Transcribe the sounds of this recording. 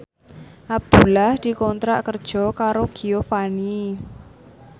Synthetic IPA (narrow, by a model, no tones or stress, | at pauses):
ʔab̚d̪̥ṳlahd̪̥i̤kɔnt̪ɾaʔkərd̥ʒ̥ɔ̤kaɾoɡ̥iofani